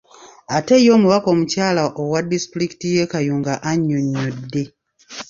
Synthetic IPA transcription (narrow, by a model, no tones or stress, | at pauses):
atejo̞ːmuβako̞ːmucaːlaʔowadistɾiki̥tijekajuːŋɡaʔaɲːoɲːodːe̞